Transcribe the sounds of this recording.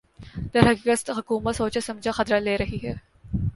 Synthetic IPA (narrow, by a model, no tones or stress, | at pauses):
d̪ɐɾɦɐkiːkət̪ɦʊkuːmət̪soːt͡ʃesɐ̃md͡ʒʱaxɐt̪ɾaleːɾɐɦiɦɛː